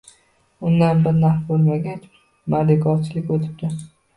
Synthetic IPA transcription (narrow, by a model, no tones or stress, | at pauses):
ʊnd̪anbɪɾnaɾbolˠmaɡʲat͡ʃ | maɾd̪ɪkʰɒɾt͡ʃʰɪlɪkʲot̪ʰɪ̥p̚k̪ʲɪn